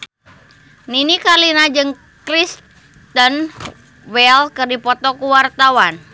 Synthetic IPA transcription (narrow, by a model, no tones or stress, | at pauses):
ninikalinad͡ʒɨŋ | kɾist | t̪ən | wɛlkərdipɔt̪ɔkuwart̪awan